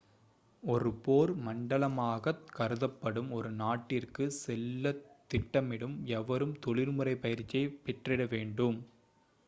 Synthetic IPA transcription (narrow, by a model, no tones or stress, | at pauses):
ɔɾɯpoːɾmɐɳɖɐlɐmaːɣɐkɐɾɯðɐpːɐɽɯmɔɾɯnaːʈːɪrkɯsɛlːɐt̪ːɪʈːɐmɪɽɯmɛʋɐɾɯmt̪ɔɭɪɾmɯrɐɪpɐjɪɾt͡ʃːijɐɪpɛʈrɪɽɐʋeːɳɖɯm